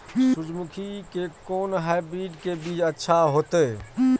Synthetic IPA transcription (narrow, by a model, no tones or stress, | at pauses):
sud͡ʒmukʰikekoːnɦajbɾiɖkebiːd͡ʒətːʃʰaɦot̪ɛ